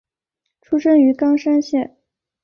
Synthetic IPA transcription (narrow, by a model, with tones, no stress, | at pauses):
ʈ͡ʂʰu˥ʂɤ˥ŋy˧˥kɑ˥ŋʂa˥nɕjɛ˥˩n